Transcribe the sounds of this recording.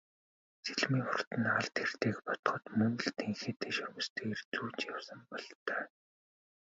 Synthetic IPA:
t͡seɮmiːŋχʊr̥t̪ɘ̆naɮt̪xer̥t̪eːkpɔt̪̆χɞ̆t̪mɵŋ̆ɮt̪ʰeŋxeːt̪ʰeːʃɵrmɵ̆st̪ʰeːeːrt͡suːt͡ɕjawsə̆mpɔɮt̪œː

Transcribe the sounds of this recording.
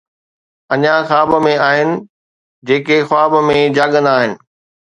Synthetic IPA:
ɐɲãxaːbmẽaːɦɪnɪ̆ | d͡ʑeːkexwaːbmẽd͡ʑaːɠə̃nd̪aːɦɪnɪ̆

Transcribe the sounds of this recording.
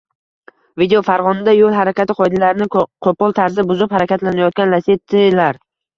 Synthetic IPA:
vid̪eofaɾʁɒnɪd̪ajolˠhaɾakʲat̪ɪqʰɒjd̪alaɾɪnɪqʰopɒlˠt̪ʰaɾzɪbʊzɪphaɾakʲat̪lanajɒt̪̚kʲanlaset̪ʰːɪlaɾ

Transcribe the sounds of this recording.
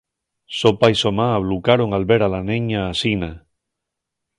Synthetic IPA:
sopaisomaːβlukaɾoŋalβeɾalaneɲaːsina

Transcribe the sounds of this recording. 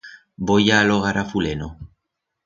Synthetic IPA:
bojaːloɣ̞aɾafuleno

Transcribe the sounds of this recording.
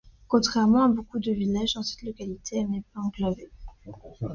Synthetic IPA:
kɔ̃t̪χɛʁmɑ̃abokud̪əvilaʒd̪ɑ̃sɛ̥t̪lɔkalit̪ʰeɛnepøɑ̃ɡlɔve

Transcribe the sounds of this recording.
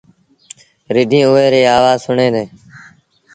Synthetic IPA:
ɾɪɖʱĩːʊːeːɾeːaːʋaːzsʊɳẽːd̪eː

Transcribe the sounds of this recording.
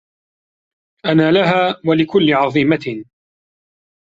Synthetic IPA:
ʔanaːlaɦaːwalɪkʊlːɪʕɑðˤiːma

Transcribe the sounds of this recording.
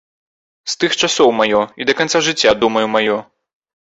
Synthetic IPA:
st̪ɨxt͡ʂasɔwmajɔid̪ɐkant̪saʐɨt͡sʲːad̪umɐjumajɔ

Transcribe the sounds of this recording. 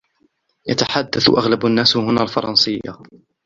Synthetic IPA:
jat̪aħad̪ːaθʔaɣlabanːaːshʊnaːlfɑɾˤɑnsɪja̰

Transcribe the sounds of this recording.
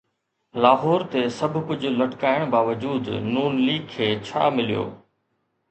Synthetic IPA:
laːɦɔːɾt̪esɐbʱʊpʊd͡ʑʱʊ̆lɐʈkaːɪɽ̃baːʋəd͡ʑuːd̪nuːnliːɡ̚kʰːeːt͡ɕʰa̰ːmɪlijo̰ː

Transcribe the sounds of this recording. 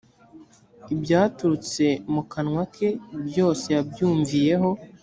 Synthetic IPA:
ibɟaːtuɾut͡se̞mukanŋwakʰe̞bjo̞ːse̞jabjuːɱvije̞ɦo̞

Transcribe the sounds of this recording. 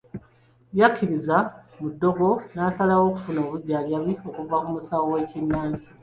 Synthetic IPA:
jakːiɾizamudːo̞ɡo̞naːsalawo̞ku̥funoːβuɟːaːljaβio̞kuvakumusawowe̞ːcinːaːnzi

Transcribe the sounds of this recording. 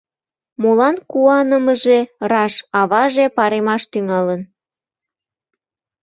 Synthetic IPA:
molɑnkuɑnəməʒerɑʃɑβɑʒepɑɾemɑʃt̪yŋɑlən

